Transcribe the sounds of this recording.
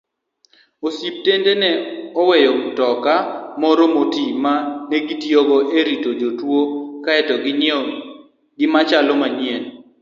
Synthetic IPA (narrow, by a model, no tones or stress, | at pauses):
osip̚tendenɛɔwɛjɔktɔkamɔɾɔmotimaneɡitjɔɡɔʔeɾitod͡ʒotwokaɛtɔɡɪn | ɡɪmat͡ʃalɔmaɲjɛn